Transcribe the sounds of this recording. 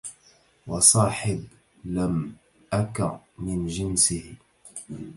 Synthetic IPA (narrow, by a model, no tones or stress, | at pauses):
wɑsˤɑːħɪb | lam | ʔakaʕmɪnd͡ʒɪnsɪh